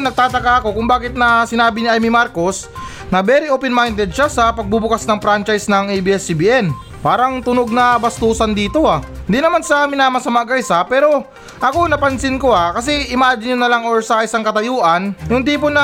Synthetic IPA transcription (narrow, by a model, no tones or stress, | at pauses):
nɐɡ̚t̪aːt̪ɐkaʔɐko̞kʊŋbaːkɪt̪̚nɐsɪnaːbɪnɪʔajmimaɾko̞s | nɐbɛɾɪʔoːpɛnmajnd̪ɛd̪̚ʃasɐpɐɡ̚bubʊkasnɐŋpɾant͡ʃajsnɐŋɛjbiːʔɛsibiːʔɛn | paːɾɐŋt̪ʊnoɡ̚nɐbɐst̪uːsɐnd̪iːt̪o̞aɪnd̪inɐmansɐmɪnaːmɐsɐmaʔɡɐsɐpɛːɾo̞ | ʔɐko̞nɐpɐnsɪnko̞akɐs̬ɛʔɪmaːd͡ʒɪnʊnɐlaŋoɹsɐʔɪsaŋkɐt̪ɐjoːʔɐnjʊŋt̪iːponɐ